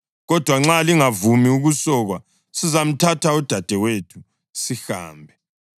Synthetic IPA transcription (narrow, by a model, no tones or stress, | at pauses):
ɣɔd̥ʱwaŋ͡ǁaliŋavumiuɣusɔɣwa | sizam̩tʰatʰaud̥ʱad̥ʱɛwetʰu̥ | siha̰ːmbʱɛ